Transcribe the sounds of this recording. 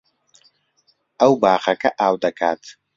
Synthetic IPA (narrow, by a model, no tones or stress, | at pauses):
awbaːχɐkʼɐʔaːwd̪ɐkʰʼaːt̪ʰʼ